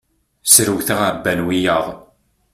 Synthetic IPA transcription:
sɾəwθaʁaɾbːænwijəʁˤ

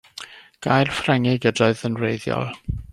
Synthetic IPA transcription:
ɡ̥ajrfrɛŋɪɡədɔɨðənreɨðjɔ̰lˠ

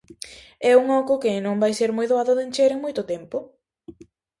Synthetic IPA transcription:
ɛuŋɔkʊkɪnõmbajseɾmojðoaðʊðent͡ʃeɾeŋmojt̪ʊt̪ɛmpʊ

